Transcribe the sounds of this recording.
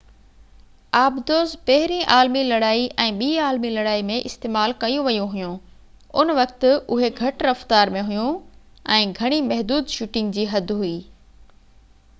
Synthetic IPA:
aːbd̪oːzpɐɦɪɾĩʔaːlmilɐɽaːiʔɛ̃ːɓiːaːlmilɐɽaːimẽʔɪst̪eːmaːlkɐjũʋɐjũɦʊjũ | ʊnʋɐkt̪ʊʊɦeɡʱɐʈɾɐft̪aːɾmẽɦʊjũ | ɛ̃ːɡʱɐɽ̃imɛɦd̪uːd̪ʃuːʈɪ̃ŋɡd͡ʑiːɦɐd̪ɦuiː

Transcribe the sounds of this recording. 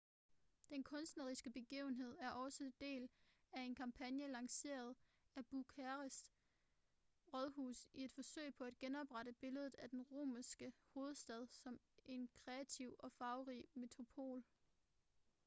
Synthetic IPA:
d̥enkʰɔ̽nsd̥nɐʁisɡ̥əb̥e̝ɡ̥ḭːʊn̩ɦe̝ð̞̰ˠæɐʔɒ̽səd̥e̝̰ːl | æe̝nkʰɑ̈mpʰænjəlɑ̈ŋse̝̰ːɐð̞ˠ | æb̥ukʰæʁəs | ʁɒðˠɦṵːsie̝d̥fɒ̽sø̰ɪ̰pʰɒ̽æd̥̚ɡ̥enɒ̽b̥ʁɑ̈ɾəb̥e̝ləð̞̩ˠæd̥enʁo̝̰ːmæsɡ̥əho̝ːð̞̩ˠsd̥ɛð̞ˠsɒ̽m | e̝nkʰʁɛæt͡sʰiʊɒ̽fɑ̈ʊʁḭme̝t͡sʰʁo̝pʰo̝̰ːl

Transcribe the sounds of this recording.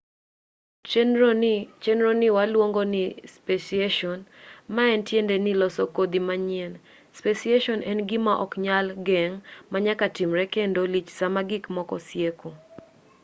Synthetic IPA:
t͡ʃɛnɾonɪwalwoŋɡonɪspesieʃɔnmaɛntjendɛnɪlɔsɔkod̪imaɲen | spesieʃɔnʔɛnɡɪmaʔɔkɲalɡɛŋmaɲakatimɾɛkɛndolit͡ʃsamaɡɪkmɔkɔ̰sjeko

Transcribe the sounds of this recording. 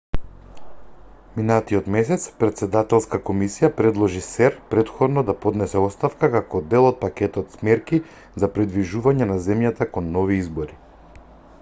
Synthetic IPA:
minat̪iɔt̪mɛs̬ɛt̪spɾɛt̪sɛd̪at̪ɛlˠskakomisijapɾɛd̪lˠɔʒisɛɾpɾɛt̪xɔd̪nɔd̪apɔd̪nɛsɛɔst̪afkakakɔd̪ɛlˠɔt̪̚pakʲɛt̪ɔt̪smɛɾki | zapɾid̪viʒuvaɲɛnazɛmjat̪akɔnːɔviizbɔɾi

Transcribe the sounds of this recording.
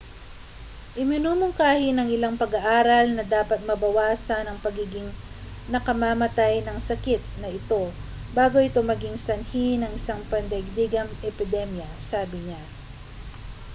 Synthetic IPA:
ʔɪmɪnuːmʊŋkaːhɪnɐŋɪlaŋpɐɡɐʔaːɾɐlnɐd̪aːpɐt̪̚mɐbɐwaːsɐnɐŋpɐɡiːɡɪŋ | nɐkɐmaːmɐt̪ajnɐŋsɐkɪt̪̚nɐʔɪt̪o̞ | baːɡo̞ʔɪt̪o̞mɐɡɪŋsɐnhinɐŋɪsaŋpɐnd̪ɛɡ̚d̪iɡɐmʔɛpɪd̪ɛmjɐsaːbɪɲa

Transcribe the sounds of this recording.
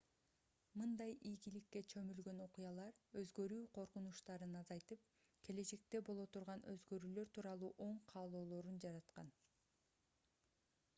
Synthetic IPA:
mɯnd̪ɑjijɡilikːet͡ʃʰø̞mylɡøno̞qujɑlˠɑɾø̞zɡø̞ɾyːqʰo̞ɾqunuʃt̪ɑɾɯnɑzɑjt̪ɯp̚ | kʰe̞le̞t͡ʃe̞k̚t̪e̞bo̞lˠo̞t̪ʰuɾʁɑnøzɡø̞ɾyːlø̞ɾt̪ʰuːɾɑlˠuːʔo̞ɴqʰɑːlˠo̞ːlˠo̞ɾund͡ʒɑɾɑt̪qɑ̰n

